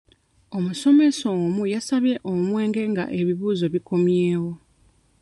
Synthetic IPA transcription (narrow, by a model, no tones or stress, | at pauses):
o̞muso̞me̞somujasaβje̞ʔomwe̞ːŋɡe̞ŋɡa̰ʔe̞βiβuːzo̞βiko̞mjeːwo̞